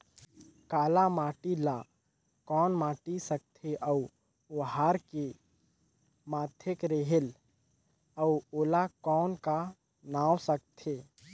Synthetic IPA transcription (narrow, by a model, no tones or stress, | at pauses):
kaːlamaːʈila | kɔːnmaːʈisək̚t̪ʰeʔəu | ɦaːɾke | maːt̪ʰɪkɾeɦɪl | əuoːlakɔːnka | naːwsək̚t̪ʰe